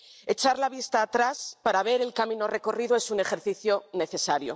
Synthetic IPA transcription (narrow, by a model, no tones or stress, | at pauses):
e̞t͡ʃaɾlaβ̞ist̪aːt̪ɾaspaɾaβe̞ɾe̞lkamĩno̞re̞ko̞riðoe̞sune̞xe̞ɾθiθjo̞ne̞θe̞saɾjo̰